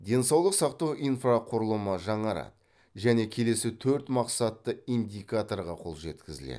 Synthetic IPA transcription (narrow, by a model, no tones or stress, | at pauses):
d̪ʲe̞nsɑwlˠəqsɑqt̪ɑwʔijnfraqʰʊɾəlˠəməʒɑɴɑɾɑ̰t̪ | ʒæne̞kʲʰe̞le̞sɪt̪ʰɵɾt̪mɑqsɑt̪ːəijnd̪ʲijkat̪o̞rʁɑqʰo̞̰lˠʒe̞t̪kʲɪzɪlḛ